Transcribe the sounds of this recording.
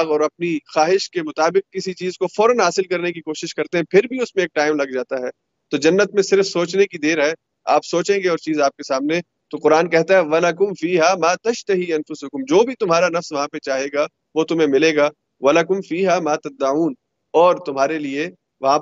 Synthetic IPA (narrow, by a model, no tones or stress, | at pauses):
ɣɔːɾɐp̚nixaːɦɪʃkemʊt̪aːbɪq̚kɪsit͡ʃiːzkofɔːɾənɦaːsɪlkɐɾnekikoːʃɪʃkɐɾt̪eɦɛ̃pʰɪɾbʱiʊsmẽeːk̚ʈaːɪmlɐɡ̚d͡ʒaːt̪aɦɛː | t̪oːd͡ʒɐnːət̪̚mẽsɪɾfsoːt͡ʃnekid̪eːɾɦɛ | a̰ːpsoːt͡ʃẽːŋɡeɔːɾt͡ʃiːzaːp̚kesaːmne | t̪oqʊɾaːnkɛɦt̪aɦɛʋɐlɐkʊmfiːɦaːmaːt̪ɐʃt̪ɐɦiːɐ̃nfʊsʊkʊmd͡ʒoːbʱit̪ʊmɦaːɾanɐfsʋɐɦãpet͡ʃaːɦeːɡa | ʋot̪ʊmɦẽmɪleːɡaː | ʋɐlɐkʊmfiːɦaːmaːt̪ɐd̪ːɐʕuːn | ɔːɾt̪ʊmɦaːɾelie | ʋɐɦã